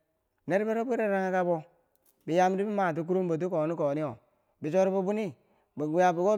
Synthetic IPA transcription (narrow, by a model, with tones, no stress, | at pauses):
ne˦ɾbe˦ɾo˦bi˦ɾe˦ɾa˦ŋa˦ka˦bo˦ | bi˨ja˦m˦di˦bi˦ma˨t̬u˦k̬u˦ɾu˦mba˨t̬u˦ko˨ni˦ko˨ni˦o˨ | bi˨t͡ʃo˦ɾi˦ba˦bu˦ni˦ | ba˨ɡu˨˦ja˨bi˨ɡo˦